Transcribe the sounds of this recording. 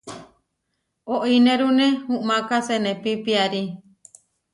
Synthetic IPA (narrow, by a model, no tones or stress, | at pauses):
oʔinẽɾunẽhũʔmãkasenẽpipiaɾi